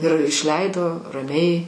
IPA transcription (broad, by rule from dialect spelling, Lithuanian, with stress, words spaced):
ɪr ɪʃʲˈlʲɛɪdoː rɐˈmʲɛɪ